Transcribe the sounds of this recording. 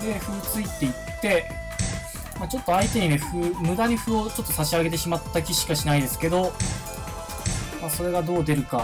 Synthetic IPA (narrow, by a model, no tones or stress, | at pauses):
d̪e̞ɸɯ̟t͡sɨit̪ːe̞it̪ːe̞ | mat͡ɕo̞t̪ːo̞ait̪e̞ɲ̟ine̞ɸɯ̟mɯ̟d̪aɲ̟iɸɯ̟o̞t͡ɕo̞t̪ːo̞saɕiaɡe̞t̪̬e̞ɕimat̪ːakʲiɕi̥kaɕinaid̪e̞sɨ̥ke̞d̪o̞ | maso̞ɾe̞ɡad̪o̞ːd̪e̞ɾɯ̟ka